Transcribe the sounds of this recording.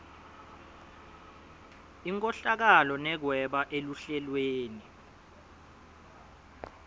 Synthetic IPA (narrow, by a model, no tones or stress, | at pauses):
iŋkʼɔɬak̬alɔnɛk̬wɛɓaʔeluɬɛlweːni